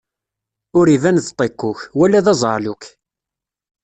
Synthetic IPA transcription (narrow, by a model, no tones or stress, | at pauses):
ʊɾivænðt̪ˤːeqːʊçwælːæðɑzˤə̰ɾˤlʊk